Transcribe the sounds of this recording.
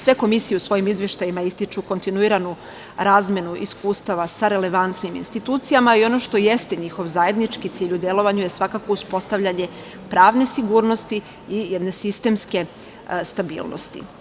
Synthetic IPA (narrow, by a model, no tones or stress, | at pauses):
sʋe̞ko̞misijeusʋo̞jimizʋjeʃt̪ajimaist̪it͡ʃuko̞nt̪inuiɾanu | ɾaːzme̞nuʔiskuːst̪aʋasaɾe̞le̞ʋant̪nimḭnst̪it̪uːt̪sijamaio̞no̞ʃt̪o̞jest̪e̞ɲixo̞ʋzaːje̞d̪nit͡ʃkit̪siːʎud̪e̞lˠo̞ʋaɲuje̞sʋakakouspo̞st̪aʋʎaɲe̞ | pɾaːʋne̞siɡuːɾno̞st̪i | ijed̪ne̞sist̪e̞mske̞ | st̪abḭːlˠno̰st̪ḭ